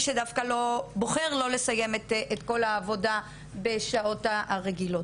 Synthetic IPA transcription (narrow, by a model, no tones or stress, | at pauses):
ʃedafkalo̞bo̞χe̞ʁlo̞le̞saje̞metetko̞laːvo̞da | be̞ʃao̞taaʁeɡilo̞t